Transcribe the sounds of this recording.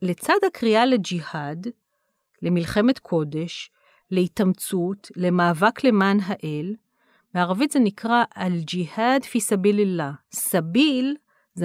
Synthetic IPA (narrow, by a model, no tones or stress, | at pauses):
let͡sad̪hakʁialed͡ʒihad | le̞milχe̞me̞t̪kʰo̞de̞ʃ | leitamt͡sutle̞maːvakle̞manɦaʔel | veaʁavitzenikʁaʔald͡ʒihadfisabilelasabil | z